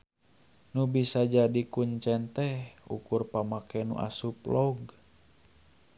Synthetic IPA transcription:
nubisad͡ʒadikuɲt͡ʃɛnt̪ɛhṵkurpamakɛnṵʔa̰suplɔɡ

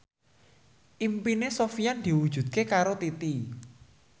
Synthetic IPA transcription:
ʔimpinesofiand̪̥i̤wud̥ʒ̥ṳd̪̚kekaɾot̪it̪i

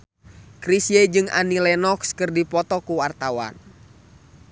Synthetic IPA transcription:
kɾisjɛd͡ʒɨŋa̰nilɛnɔkskɨrdipɔt̪ɔkuwart̪awa̰n

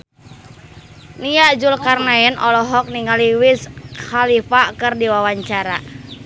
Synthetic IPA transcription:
nijad͡ʒulkarnaɛnʔɔlɔɦɔk̚niŋaliwishalifakɨrdiwawaɲt͡ʃaɾa

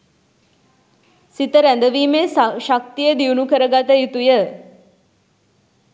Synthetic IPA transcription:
sit̪əɾænd̪əʋiːmeʃak̚t̪ijəd̪iunukəɾəɡat̪əjut̪ujə

